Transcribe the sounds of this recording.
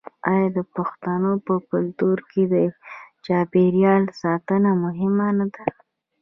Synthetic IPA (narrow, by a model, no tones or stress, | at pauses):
ɑjɑd̪əpaxt̪anopəkʊlt̪uɾked̪ət͡ʃɑbeɾjɑlsɑt̪ənamʊɦɪmanad̪a